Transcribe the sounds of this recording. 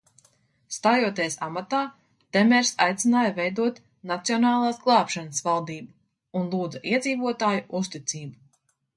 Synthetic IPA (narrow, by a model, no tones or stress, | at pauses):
st̪aːjuɔt̪̬iɛsa̰mat̪aː | t̪emɛɾsa̰jt̪sinaːjavɛjd̪uɔt̪ | nat̪sijɔnaːlˠaːsɡlˠɑːpʃanəsvalˠd̪iːbu | unlˠuːd̪zɐʔiɛd̪ziːvuɔt̪aːjuʔust̪it̪siːbu